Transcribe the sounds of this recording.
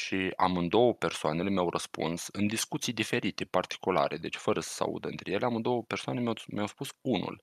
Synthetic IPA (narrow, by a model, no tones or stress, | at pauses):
ʃia̰mɨnd̪o̞wəpe̞rsoane̞lemeawrʔəspṵnsɨnd̪iskut̪sijd̪ife̞ɾit̪e̞part̪i̥kula̰ɾe̞d̪e̞t͡ʃʲfəɾəsə̥sa̰ṵd̪əɨnt̪ɾe̞je̞leamɨnd̪o̞wəpe̞rsoanemeamjawspusunṵl